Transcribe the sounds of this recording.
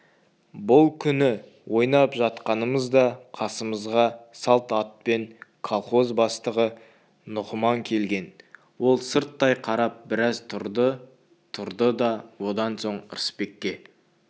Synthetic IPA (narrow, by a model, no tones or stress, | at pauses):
bʊlˠkʲʰʏnɪ | wʔo̞jnɑpʒɑt̪qɑnəməzd̪ɑqʰɑsəməzʁɑsɑlˠt̪ɑt̪̚pe̞ŋkʰolˠχo̞zbɑst̪əʁə | nʊqəmɑŋkʲʰe̞lɡʲe̞n | wo̞lˠsəɾt̪ːɑjqʰɑɾɑp̚bɪɾɑzt̪ʰʊɾd̪ə | t̪ʰʊɾd̪əd̪ɑwo̞d̪ɑnso̞ɴə̰ɾəspe̞kʲːe̞